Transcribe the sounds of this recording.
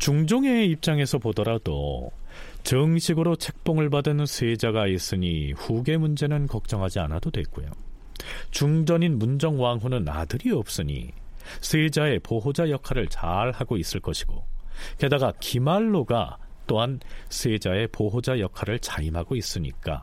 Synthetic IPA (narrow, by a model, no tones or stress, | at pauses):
t͡ɕuŋd͡ʑoŋe̞ip̚t͡ɕ͈aŋe̞sʰʌpodʌɾado̰ | t͡ɕɯŋɕʰiɡɯɾot͡ɕʰe̞k̚p͈oŋɯɭbadɯnsʰwed͡ʑaɡais͈ɯɲiɸuɡe̞mund͡ʑe̞nɯnkʌk̚t͡ɕ͈ʌŋɦad͡ʑianadodwe̞k͈ojo̰ | t͡ɕuŋd͡ʑʌɲinmund͡ʑʌŋwaŋɦunɯna̰dɯɾiʌp̚s͈ɯɲḭ | sʰwed͡ʑae̞poɦod͡ʑajʌkʰaɾɯɭt͡ɕaɭhaɡois͈ɯɭk͈ʌɕʰi̥ɡ̥oke̞daɡakimaɭːoɡa̰t͈oɦansʰed͡ʑae̞poɦod͡ʑajʌkʰaɾɯɭt͡ɕaimɦaɡois͈ɯɲḭk͈a̰